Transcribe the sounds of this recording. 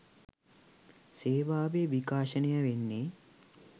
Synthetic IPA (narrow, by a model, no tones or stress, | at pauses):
seːʋaːʋeʋikaːʃənejəʋenːe